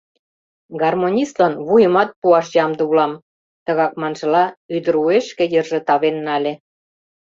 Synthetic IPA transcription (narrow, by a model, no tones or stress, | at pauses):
ɡɑrmonʲist̪lɑnβujə̆mɑt̪̚puɑʃjɑmd̪ɤ̆ulɑm | t̪ə̆ɣɑkmɑnʒɤ̆lɑyd̪ə̆ɾueʃkĕjərʒĕt̪ɑβenːɑlʲĕ